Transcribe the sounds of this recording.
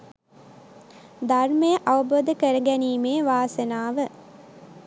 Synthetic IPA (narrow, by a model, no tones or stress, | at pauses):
d̪ʱɐrmejəʔɐʋɐboːd̪əkəɾɐɡæniːmeːʋaːsɐnaːʋə